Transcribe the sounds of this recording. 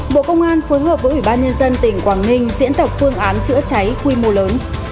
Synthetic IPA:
ɓo̰˧˨kə˧wŋ͡mʔaː˧nfoː˨˦jɦəː˨˩p̚əː˨˦jʔwi˧˩ɓaː˧nɲə˧nzə˧nt̪ï˨˩ŋ̟kwaː˧˩ŋnï˧ŋ̟zḭ˧˥ənt̪ə˨˩wk͡p̚fɨ˧əŋʔaː˨˦nt͡ɕɨ̰˧˥ət͡ɕa˨˦jxwi˧mo˧ləː˨˦n

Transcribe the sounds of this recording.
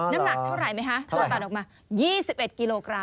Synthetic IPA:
na˦˥mna˨˩k̚t̪ʰa˥˩ɾa˨˩jma˦˥jkʰa˦˥t̪ʰa˥˨˩aː˨˩t̪̚ɔː˨˩kmaː˧ | jiː˥˩si˨˩p̚ʔe˨˩t̪̚ki˧loː˧kɾa˧

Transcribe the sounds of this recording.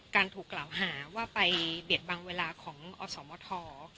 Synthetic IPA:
kaː˧nt̪ʰuː˨˩kːlaː˨˩wɦaː˩˦waː˥˩pa˧jbi˨˩ət̪̚baː˧ŋweː˧laː˧kʰɔː˩˦ŋʔɔː˧sɔː˩˦mɔː˧˦t̪ʰɔː˧

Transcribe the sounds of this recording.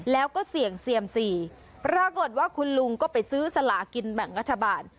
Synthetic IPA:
lɛː˦˥wkɔː˥˩si˨˩˦əŋsi˨˩əmsiː˨˩ | pɾa˧ko˨˩t̪̚waː˥˩kʰu˧nlu˧ŋkɔː˥˩pa˧jsɯː˦˥sa˧laː˨˩˦ki˧nbɛ˨˩ŋɾa˦˥t̪ʰːa˧baː˧n

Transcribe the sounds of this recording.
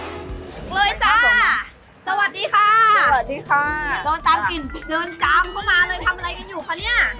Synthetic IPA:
lɤː˧jt͡ɕa˧˩˧ | sa˧wa˨˩t̪̚diː˧kʰaː˧˥˩a˨˩diː˧kʰa˧˩dɤː˧nt̪aː˧mki˨˩ndɤː˧nkaː˧˥mkʰaː˥˩maː˧lɤː˧jt̪ʰa˧mʔa˧ɾa˧jka˧njuː˨˩kʰaː˧˩wni˦˥˩ɐ

